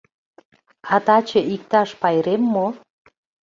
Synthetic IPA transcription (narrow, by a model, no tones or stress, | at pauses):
ɑt̪ɑt͡ɕə̆ʔik̚t̪ɑʃpɑjɾemːo